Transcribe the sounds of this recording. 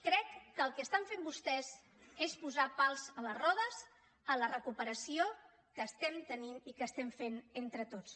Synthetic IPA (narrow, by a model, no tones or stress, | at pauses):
kɾɛkːəlˠkəːst̪aɱfembust̪ɛz | espuzapalˠzələrɔðəz | ələrəkupəɾəsio | kəːst̪ɛmt̪əninikəːst̪ɛɱfenent̪ɾət̪ot͡s